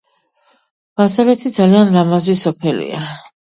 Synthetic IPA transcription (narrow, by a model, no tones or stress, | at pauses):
masalɛt̪ʰid̪zalianɾamazwisɔpʰɛlḭa